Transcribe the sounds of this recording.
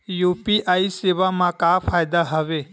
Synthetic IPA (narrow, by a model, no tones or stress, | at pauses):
jupiʔaiseʋamãkafʰaːjd̪aɦəʋe